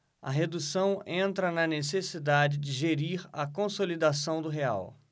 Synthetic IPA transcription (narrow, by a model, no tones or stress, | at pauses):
ɐ̰ɦed̪usɐ̃w̃ẽnt̪ɾɐnɐnesesid̪ad͡ʒɪd͡ʒɪʒeɾiɾɐkõsolid̪asɐ̃w̃d̪ʊɦea̰w